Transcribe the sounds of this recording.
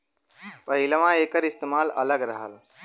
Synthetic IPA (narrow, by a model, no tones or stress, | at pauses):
ʋɐɦilɐʋãːeːkɐɾist̪emaːlɐləɡɾɐɦəl